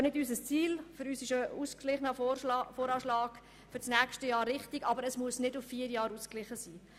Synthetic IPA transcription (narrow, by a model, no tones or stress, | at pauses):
nɪdysəst͡siːlfʏɾyːsɪʃəuːsklɪχnəfoːɾɑːʃlɑːɡ̥ | fʏɾsnæːkʃtəjɑːɾːɪχtiɡɑbəɾəsmuəsnɪdʊffiːəɾjɑːɾuːsklɪχəsiː